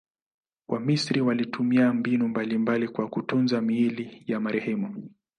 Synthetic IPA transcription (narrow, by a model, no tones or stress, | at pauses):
wʔamisɾiwalitʰumiambinumbalimbalikwakutunzamiilijamaɾɛhɛmu